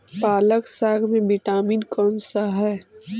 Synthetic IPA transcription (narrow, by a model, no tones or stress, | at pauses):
paːləksaːɡmẽbiʈaːmiːnkɔːnsaɦɛː